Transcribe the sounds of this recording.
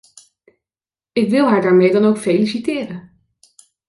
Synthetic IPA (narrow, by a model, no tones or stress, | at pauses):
ɪkʋɪlˠɦaːɹdaːɹmejdɑnowkfejlisitɪːrən